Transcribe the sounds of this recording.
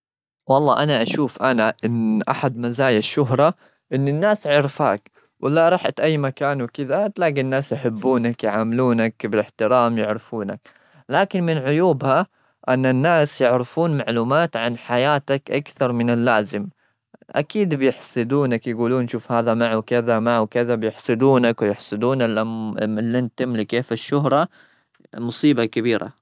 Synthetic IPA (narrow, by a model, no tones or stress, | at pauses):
wɑlˤːɑːʔanaʔaʃuːfʔanaʔɪnːʔa̰ħad̪mazaːjaʃːʊɦɾˤɑ | ʔɪnːɪnːaːsʕɪɾfa̰ːk | wʔɪlaɾˤɑħat̪ʔajːmakaːnwɪkɪðat̪laːɡinːaːsjħɪbːuːnakjʕaːmɪluːnakbɪlɪħt̪ɪɾɑːmjɪʕɾɪfuːnak | laːkɪnmɪnʕʊjuːbha | ʔanːanːaːsjɪʕɾɪfuːnmaʕluːmaːt̪ʕanħajaːt̪akʔakθɑɾˤmɪnɪlːaːzɪm | ʔa̰kiːd̪bɪjɪħsˤɨd̪uːnakjɡuːluːnʃuːfhaːðamaʕuwkɪðamaʕwkɪðabjɪħsˤɨd̪uːnakwjɪħsˤɨd̪uːnɪlamɪlːʔɪnt̪ɪmlɪkeːfɪʃːʊɦɾˤɑ | mʊsˤiːbakabiːɾʔa̰